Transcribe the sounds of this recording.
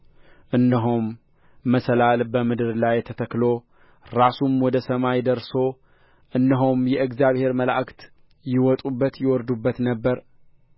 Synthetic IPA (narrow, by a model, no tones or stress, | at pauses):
ʔɨnːəɦumː | əsəlalbəmɨd̪ɨɾlajt̪ʰət̪ʰəklo | ɾasumwɔd̪əsəmajd̪əɾso̞ | ʔɨnːəɦumjɛʔɨkzjaβhe̞ɾməlaʔakt̪ | jɪwɔt̪ʼubːət̪jɪwɔɾd̪ubːət̪nəbːəɾ